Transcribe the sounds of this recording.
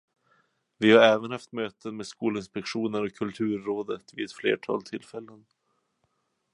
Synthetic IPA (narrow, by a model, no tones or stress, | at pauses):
vɪhaɾɛːvənhaft̪møːt̪ənmeːd̪skuːlɪnspɛkɧuːnəɾɔkʰːɵlt̪ʰʉ̟ːɾːoːd̪ət̪vɪɛt̪flḛːʈʰɑ̰ːlt̪ʰɪlfɛlːən